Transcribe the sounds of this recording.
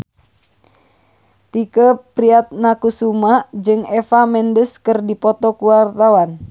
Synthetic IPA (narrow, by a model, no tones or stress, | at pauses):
t̪ikəpɾiat̪̚nakusumaʔd͡ʒɨŋɛfamɛndəskərdipɔt̪ɔkuwart̪awan